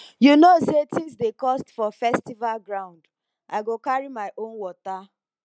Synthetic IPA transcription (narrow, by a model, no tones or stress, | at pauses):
junosetĩsdekɔstfɔfɛstivalɡɹãʊ̃nd | ʔaɪɡokaɹimaɪʔõnwɔta